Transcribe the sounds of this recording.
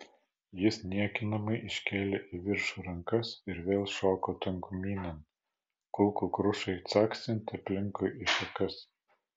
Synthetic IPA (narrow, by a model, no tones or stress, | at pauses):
jɪsnʲiɛkʲɪnɐmɐɪʔɪʃʲkʲeːlʲeːʔiʋʲɪɾʃuːɾɐŋkɐsɪɾʋʲeːlˠʃoːkoːt̪ʲɐŋkʊmʲiːnʲɛn | kʊlˠkuːkɾʊʃɐɪt̪sɑːksʲɪnʲt̪ʲɪɐpʲlʲɪŋkʊɪʔiʃɐkɐs